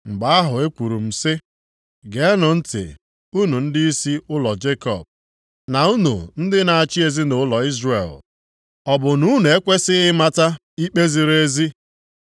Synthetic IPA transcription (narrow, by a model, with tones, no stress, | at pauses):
ŋ͡m̩˨ɡ͡ba˨˦a˦ɦʊ˨e˦kʷu˨ɾu˨m̩˨sɪ˦ | ɡe˨˦nʊ˨n̩˦tɪ̰˨ | u˦nu˨n̩˦dɪ˦i˦si˦ʊ˦lɔ˨d͡ʒe˦kɔ̰˨b̚ | na˨u˦nṵ˨n̩˦dɪ˦na˨a˨t͡ʃi˦e˨zi˦nʊ˨ʊ˦lɔ˨i˦zrḛ˨l | ɔ˨bʊ˨nu˦ne˨e˦kʷe˦sɪ˦ɪ˦ma˦ta˦ | i˦k͡pe˦zi˨ɾe˦zi˦